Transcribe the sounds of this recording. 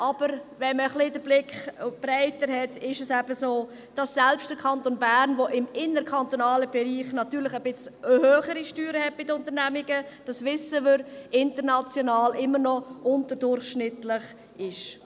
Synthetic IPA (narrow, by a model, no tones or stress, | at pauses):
ʔɑb̥əɾvɛnməχlɪdəɾblɪkχʊb̥ɾæɪtəɾɦɛtɪʃɛsæb̥əsoː | d̥ɑsːɛlpʃtd̥əkʰɑntonbæɾnʋɔʔɪmɪnəɾkʰɑntonɑːləb̥ɛɾiːχnɑtyːɾlɪχəb̥ɪt͡shøːχəɾiʃtyːɾəhɛt̚b̥ɪdəʊntəɾnæmiɡəd̥ɑsʋɪsəʋʏɾɪntəɾnɑt͡sjɔnɑːlʔɪmːəɾnɔʔʊntəɾdʊɾχʃnɪtlɪχ | ɪʃ